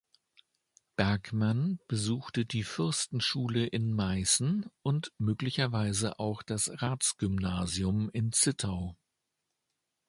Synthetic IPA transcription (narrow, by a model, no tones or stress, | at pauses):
b̥ɛɐkmanb̥əzuːxtədiːfɪɐstn̩ʃuːləʔɪnmaɪsn̩ʊntmøːklɪçɐvaɪzəʔaʊxd̥asʁaːt͡sɡ̥ʏmnaːzjʊmɪnt͡sɪtʰaʊ